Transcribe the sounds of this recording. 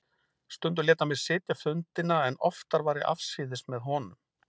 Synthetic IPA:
st̪ʏnt̪̬ʏlɛːt̪amɛðsɪːt̪jafʏnt̪ɪnaɛnɔ̰ft̪aɾvaːɾɪʔa̰fsiːðɪsmɛðɦɔːnʏm

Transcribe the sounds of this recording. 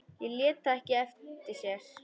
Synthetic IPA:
jɛljɛːt̪aɛhcɪɛft̪ɪsjɛɾ̥

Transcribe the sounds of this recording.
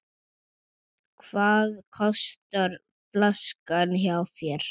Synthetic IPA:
kʰvaːðkʰɔst̪aɾ | flaskançjawθjɛɾ̥

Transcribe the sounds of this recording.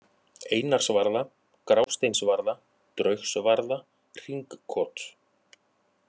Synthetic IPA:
eːjnar̥svaɾða | kɾaːwst̪ejnsvaɾða | t̪ɾœɥxsvaɾða | r̥iŋkʰːɔːt̪

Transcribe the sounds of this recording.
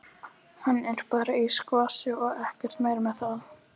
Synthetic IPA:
hanːɛjnɾpaːɾaiskvaːsɪɔɣɛhcɛr̥t̪meːjɾmɛðθað

